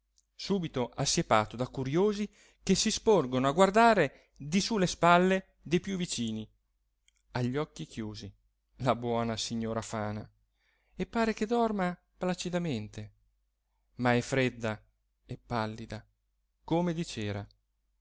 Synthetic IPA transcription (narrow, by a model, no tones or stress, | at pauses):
suːbit̪oʔasːjepaːt̪od̪akuɾjoːzi | kesisporɡonoaɡward̪aːɾe | d̪isulːespalːe | d̪ejpjuvːit͡ʃiːni | aʎːɔkːikʰjuːzi | labwɔːnasiɲːoːɾafaːna | epːaːɾeked̪ɔrma | plat͡ʃid̪ament̪e | maɛfɾed̪ːa | epːalːid̪a | komed̪it͡ʃeːɾa